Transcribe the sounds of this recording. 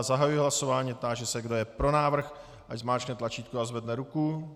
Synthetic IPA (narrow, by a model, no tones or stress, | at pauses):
zaɦajujɪɦlaso̞vaːɲiːt̪aʒɛsɛɡdo̞jɛpɾo̞naːvr̩x | ʔaczmaːt͡ʃknɛt̪lat͡ʃiːt̪kuazvɛdnɛɾuku